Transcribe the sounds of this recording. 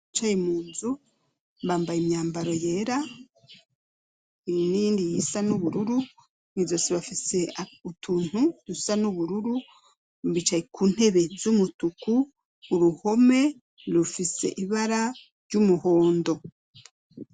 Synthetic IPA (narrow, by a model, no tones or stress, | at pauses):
t͡ʃajemuːnzu | βaːmbajimɲaːmbaɾo̞je̞ːɾa | iniːndijisanuβuɾuɾu | nizo̞ːseβafise̞autʰuːn̥hudusanuβuɾuɾu | βit͡ʃajekʰuːn̥he̞βe̞zumutukuː | ɾuho̞me̞ | lufise̞̰ʔiβaɾa | ɾɟumuho̞ːndo̞